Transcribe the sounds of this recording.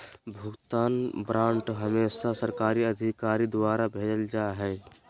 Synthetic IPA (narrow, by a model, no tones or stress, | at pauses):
bʱʊɡt̪aːnbɾãːɳʈɦəmeːsasəɾkaːɾiəd̪ʱikaːɾid̪waːɾabʱeːd͡ʒəld͡ʒaɦɛː